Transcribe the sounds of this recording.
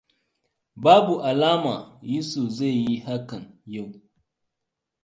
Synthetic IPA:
baː˦bu˨ʔa˨laː˦ma˨ji˦su˨za˦˨jji˦ha˦kɐ˨nja˦˨w

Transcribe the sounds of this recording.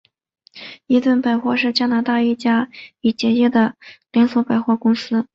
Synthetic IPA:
i˧˥t̪wə˥˩npa˨˩ɪxwɔ˥˧ʂɻ̩˥˧t͡ɕja˥na˧˥t̪a˥˧i˥˩t͡ɕja˥i˨˩t͡ɕjɛ˧˥t͡ɕɛ˥˩d̪ə˩ljɛ˧˥nswɔ˧˥pa˨˩ɪxwɔ˥˩kʊ˥ŋsɹ̩˥

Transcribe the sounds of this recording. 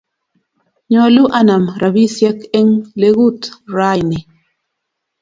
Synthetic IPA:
ɲɔ˨lu˦ʔa˦na˨mɾa˨bi˦sjɛ˦kɛ˦ŋle˦ɣu˦tɾa˦jnɪ˨

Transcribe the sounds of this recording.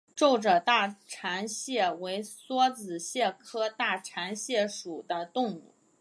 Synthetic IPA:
ʈ͡ʂo˥˩ʊʈ͡ʂə˩t̪a˥˩ʈ͡ʂʰa˧˥nɕjɛ˥˩we˧˥ɪswɔ˥t͡sɹ̩˨˩ɕjɛ˥˩kʰɤ˥t̪a˥˩ʈ͡ʂʰa˧˥nɕjɛ˥˩ʂu˨˩d̪ə˦t̪ʊ˥˧ŋu˥˩

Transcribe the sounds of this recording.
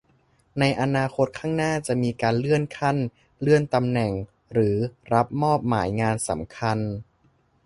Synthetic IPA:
na˧jʔa˧naː˧kʰo˦˥t̪̚kʰaː˥˩ŋnaː˥˩t͡ɕa˨˩miː˧kaː˧nlɯ˥˩ənkʰa˥˩n | lɯ˥˩ənt̪a˧mnɛ˨˩ŋ | ɾɯː˩˦ɾa˦˥p̚mɔː˥˩p̚ma̰ː˩˦jŋaː˧nsa˩˦mkʰa˧n

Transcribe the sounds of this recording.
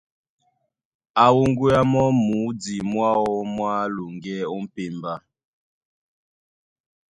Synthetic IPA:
a˨wu˦ŋɡu˦a˦mɔ˦mu˨˦d͡zi˨mwa˦ɔ˦mwa˦lu˨ŋɡɛ˦ɔ˦m̩˦pe˨mba˦

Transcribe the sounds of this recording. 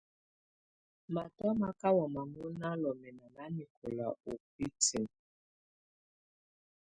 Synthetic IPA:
ma˨tɔ˦ma˦ka˦wɔ˨ma˨mu˦na˦lɔ˨mɛ˨na˨na˦ni˨ko˨la˨o˨p̚i˦tʰi˨n

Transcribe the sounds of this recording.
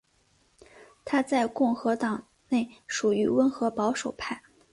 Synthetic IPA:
t̪ʰa˥t͡sa˥˧ɪkʊ˥˩ŋxɤ˧˥t̪ɑ˨˩ŋ | ne˥˩ɪʂu˨˩y˧˥wə˧˥nxɤ˧˥pɑ˧˥ʊʂo˨˩ʊpʰa˥˩ɪ

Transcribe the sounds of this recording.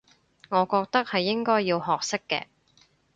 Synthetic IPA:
ŋɔː˨˧kɔː˧k̚t̪ɐ˥k̚hɐ˨jːɪ˥ŋkɔː˥jːiː˧wɦɔː˨k̚sɪ˥kːɛ̰ː˧

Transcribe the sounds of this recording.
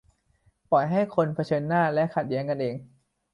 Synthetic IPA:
pɔ˨˩jɦa˥˩jkʰo˧npʰa˧t͡ɕʰɤː˧nːaː˥˩lɛ˦˥ʔkʰa˨˩t̪̚ji˩˦əŋka˧nʔeː˧ŋ

